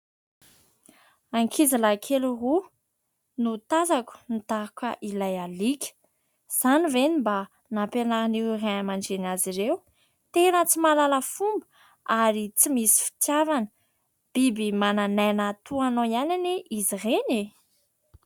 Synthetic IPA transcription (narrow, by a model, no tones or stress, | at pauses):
aŋkʰizilakʰeluru | nut̪azaku̥nit̪aakəʔilajalikʲə̥ | z̥anivenimba | napenaɾaniuraamaɳd͡ʒenaziɾew | t̪enət͡simalaləfumbə̥ | aɾit͡simisi̥fi̥t̪javanə | b̥ibimananajnat̪uanoianiniʔizireni